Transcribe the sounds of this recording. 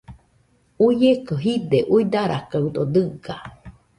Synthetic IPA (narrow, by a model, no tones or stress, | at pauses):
ujekoɦid̪eʔuid̪aɾʔa̰kaud̪od̪ɨɡa